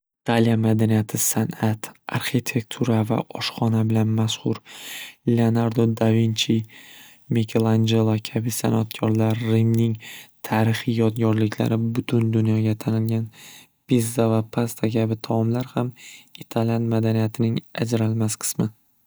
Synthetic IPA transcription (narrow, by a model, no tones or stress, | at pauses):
it̪ʰalijamad̪anijat̪ʰɪsanat̪a̰ɾχit̪ʰe̞k̚t̪ʰuɾava̰ʔɒʃχɒnabɪlanmaʃhʊɾleonaɾd̪od̪avint͡ʃʰi | mekʲʰelˠand͡ʒelˠakʲʰabɪsa̰nat̪̚kʲʰɒɾlaɾːimnɪŋt̪ʰaɾɪχɪjɒd̪ɡʲɒɾlɪkʲʰla̰ɾɪbʊt̪ʰʊnd̪ʊnjɒɡʲat̪ʰanɪlɡʲan | bizːavapʰast̪ʰakʲʰabɪt̪ʰaɒmlaɾhamit̪ʰalijanmad̪anijat̪ʰɪnɪŋa̰d͡ʒɾalmasqʰɨ̥smɪ